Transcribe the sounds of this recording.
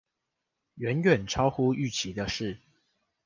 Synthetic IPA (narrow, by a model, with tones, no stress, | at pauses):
ɥɛ˨˦nɥɛ˨˩nʈ͡ʂʰɑ˥ʊxu˦y˥˨t͡ɕʰi˨˦d̪ə˧ʂɻ̩˥˨